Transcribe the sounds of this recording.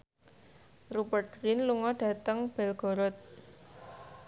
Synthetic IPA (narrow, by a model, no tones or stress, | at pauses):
rubərt̪̚ɾɪnluŋɔɖ̥ä̤t̪əŋb̥ɛlɡ̥ɔ̤ɾɔt̪̚